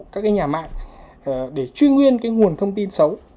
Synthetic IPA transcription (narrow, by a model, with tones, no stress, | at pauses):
kaː˦˥k̚aː˨˦jɲaː˨˩ma̰ː˧˨ŋ˩ | ɗe˧˩t͡ɕwi˧ŋwi˧ənkaː˨˦jŋu˨˩ənt̪ʰə˧wŋ͡mt̪i˧nsə˨˦w